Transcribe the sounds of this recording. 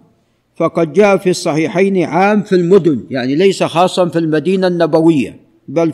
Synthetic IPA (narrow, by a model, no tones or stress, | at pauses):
fɑqɑd̪̚d͡ʒaːʔafisˤːɑħiːħajnʕaːmfilmʊd̪ʊnjaʕnilajsaxɑːsˤːɑnfilmad̪iːnanːabawɪjːa̰ | bal